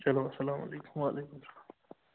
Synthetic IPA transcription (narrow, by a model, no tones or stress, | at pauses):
t͡ʃɐloːɐsɐlaːmɐ̰leːkʊmwaːlʔeːkʊmsɐlaː